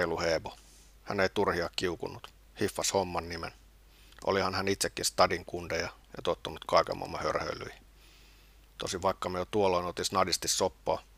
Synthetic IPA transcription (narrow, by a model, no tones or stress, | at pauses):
luheːʋo | hæ̰neit̪urhiɑkkiukṵnːut̪ | hifːɑshomːɑnːimḛn | ʔo̰lihɑnhænit̪sekːinst̪ɑdiŋkundejɑjɑ̰t̪ot̪ːunut̪kɑikḛmɑ̰mːɑhø̰rhø̰ilːˑy̰ihi | t̪osiʋʋɑikːɑmejot̪uoloinot̪isnɑdist̪issopːoː